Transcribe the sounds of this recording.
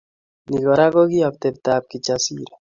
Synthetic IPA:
niɣɔ˨ɾa˦ɣo˦ɣi˦a˨p̚t̪ɛ˨b̚t̪ap̚kit͡ʃasiɾa

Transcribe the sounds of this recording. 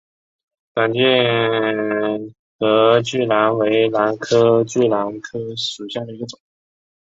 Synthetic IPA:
ka˨˩nt͡ɕi˥˩ | xɤ˧˥t͡ɕy˥˩la˧˥nwe˧˥ɪla˧˥nkʰɤ˥t͡ɕy˥˩la˧˥nkʰɤ˥ʂu˨˩ɕja˥˩d̪ə˩i˧˥ɡə˧ʈ͡ʂʊ˨˩˦ŋ

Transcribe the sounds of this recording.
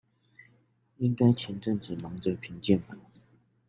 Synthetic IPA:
i˥ŋka˥ɪt͡ɕʰjɛ˧˥nʈ͡ʂɤ˥˩ŋʈ͡ʂ̩˨˩nɑ˧˥ŋʈ͡ʂə˥˧˩pʰi˧˥ŋt͡ɕjɛ˥˩npa˨˩˦

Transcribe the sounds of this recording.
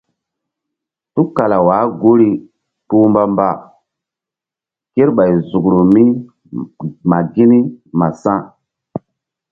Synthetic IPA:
tu˦ka˨la˨waː˨˦ɡo˦ɾi˦ | tu˦mba˦mba˦˨ | ke˦ɾɓa˨jzu˨kɾu˨mi˦ | ma˨ɡi˦ni˦ma˨sã˦

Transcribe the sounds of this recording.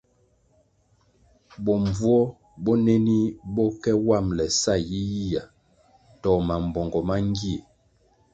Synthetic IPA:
bɔ˨mvu˦ɔ˦ | bɔ˦ne˦ni˦bɔ˦kɛ˦wa˦˨mlɛ˨sa˦˨ji˦ji˦ja˨ | tɔ˨ma˨m˨bɔ˨ŋɡɔ˨ma˦ŋ˦ɡi˦e˨

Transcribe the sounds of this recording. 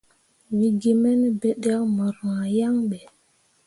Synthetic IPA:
wi˨ɡi˨mɛ˦n˦bɛ˨ɗa˦ma˨ɾa˨ja˦ŋɓɛ˨

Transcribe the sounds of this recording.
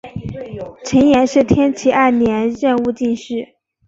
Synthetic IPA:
ʈ͡ʂʰə˧˥njɛ˧˥nʂɻ̩˥˩t̪ʰjɛ˥nt͡ɕʰi˧˥ʔa˥˩ɪnjɛ˧˥nɻə˥˧nu˥˧t͡ɕi˥˧nʂɻ̩˥˩

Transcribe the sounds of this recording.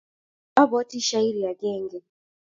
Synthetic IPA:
a˦bɔ˦ti˦ʃa˦i˦ɾi˨ja˨ɡɛ˦˨ŋɡɛ˨

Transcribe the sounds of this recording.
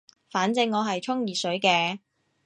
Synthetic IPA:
faː˨˥nt͡sɪ˧ŋːɔː˨˧ɦɐ˨jt͡ʃʰʊ˥ŋjiː˨sɵ˨˥ɥkɛː˧

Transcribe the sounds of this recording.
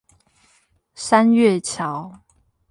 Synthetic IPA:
sa˦nɥɛ˥˨t͡ɕʰjɑ˨˦ʊ

